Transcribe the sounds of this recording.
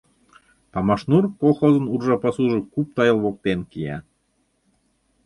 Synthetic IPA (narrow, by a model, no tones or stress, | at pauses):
p̪ɑmɑʃnurkoxozə̆nurʒɑpɑsuʒɤ̆kup̚t̪ɑjɤ̆lˠβok̚t̪enkijæ̰